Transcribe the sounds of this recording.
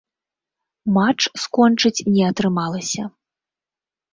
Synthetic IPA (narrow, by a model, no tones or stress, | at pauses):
mat͡ʂskɔnt͡ʂɨt͡sʲnʲɛɐt̪ɾɨmalˠɐsʲɐ